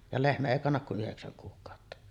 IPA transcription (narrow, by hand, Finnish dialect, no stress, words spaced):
jɑ lehmæ eˑi kɑnːɑk ku ʔyheksæŋ kuːkˑɑˑotːɑ